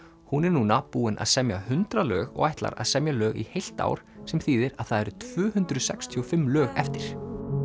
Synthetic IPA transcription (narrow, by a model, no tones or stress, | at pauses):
hunɛɾnunaːpːuːɪnʔa̰ðsɛmja̰hʏnt̪ɾalœːɣɔ̰ɣajht̪la̰ɾa̰ðsɛmjalœːɣḭhejl̥t̪a̰ːwɾ̥sɛmθiːðɪɾaðθaðɛɾʏt̪ʰv̥ʏːhʏnt̪ɾʏðsɛkst̪ʰiɔfɪmːlœːɣɛft̪ɪɾ̥